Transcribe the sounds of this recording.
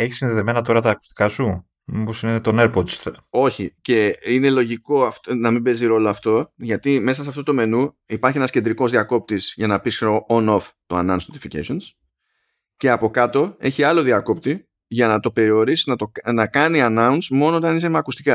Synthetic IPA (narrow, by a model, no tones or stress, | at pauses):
e̞çi̥sinðeðeme̞nɐt̪o̞ɾɐt̪ɐːku̥st̪i̥kɐsu | miposinet̪o̞neɾpod̪so̞çice̞ine̞lo̞ʝiko̞ɐft̪nɐmimbe̞ziɾo̞loɐft̪o̞ʝɐt̪ime̞sɐseɐft̪o̞t̪ome̞nu | ipɐɾçienɐsce̞nd̪ɾiko̞zðiɐko̞p̚t̪isʝɐnɐpisoono̞ft̪oɐ̰nɐnsnot̪i̥ficḛsons | ceɐpo̞kɐt̪o̞e̞çiɐlo̞ðiɐko̞p̚t̪i | ʝɐnɐt̪o̞pe̞ɾio̞ɾisiznɐt̪onɐkɐniɐnɐunsmo̞noot̪ɐnizemɐkust̪ikɐ